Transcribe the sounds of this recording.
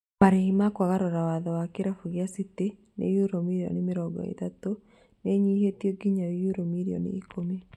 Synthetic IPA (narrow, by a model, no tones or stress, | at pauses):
maɾehimakwaɣaɾoɾawaðɔwakeɾafuɣjasite | nḛjuɾomiɾiɔ̰nimɪɾɔɡɔ̰ḛtato | neɲihetiɔɡiɲaejuɾomiɾiɔ̰nḭikome